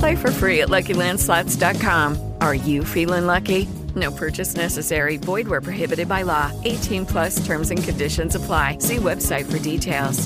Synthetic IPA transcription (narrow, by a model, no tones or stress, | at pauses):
pʰl̥eɪfə˞fɹiɨʔˡlʌkilæ̃nd̥slɑtsd̥ɑt̚kʰɑ̃m | ʔə˞jɨfilˠɪ̃ŋlʌki | noʊpʰɜ˞t͡ʃɨsnɛsɨsɛɹibɔɪd̚wə˞pʰɹ̥ɨɦɪbɨɾɨd̚baɪlɔʔeɪtʰĩnpʰl̥ʌstʰɜ̃˞mzɨ̃nkʰɨ̃ndɪʃɨ̃nzəpʰl̥aɪsiwɛb̥saɪtfə˞ditʰeɪlˠz̥